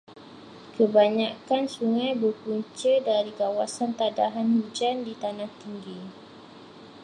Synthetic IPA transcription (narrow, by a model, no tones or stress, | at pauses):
kəbaɲakansuŋãjbərpuɲt͡ʃədaɾikawasant̪adaɦanhud͡ʒandit̪anãht̪iŋɡi